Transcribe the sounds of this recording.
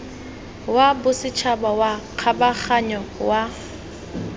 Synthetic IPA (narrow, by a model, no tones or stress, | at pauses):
wabʊsɪt͡ʃʰabawaq͡χʰabaχaɲɔwa